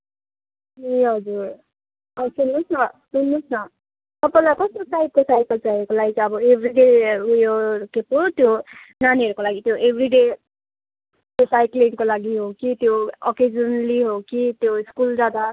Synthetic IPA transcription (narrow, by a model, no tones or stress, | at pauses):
eɦʌd͡zur | ʌsulnusnʌsulːusnʌ | t̪ʌpãlakʌst̪osajp̚kosajp̚ʌlt͡saiekolaɡit͡sʌbʌebʱɾiɖeujokepot̪jo | naniɦʌɾukolaɡit̪joʔebʱriɖe | k̪osajkliŋkolaɡiɦokit̪joɔked͡zʌnliɦokit̪joiskuld͡zad̪a